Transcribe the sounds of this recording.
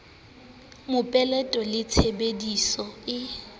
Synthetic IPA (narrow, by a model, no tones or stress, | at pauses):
mʊpʼɛlɛtʼɔlɪt͡sʰebedisɔɪ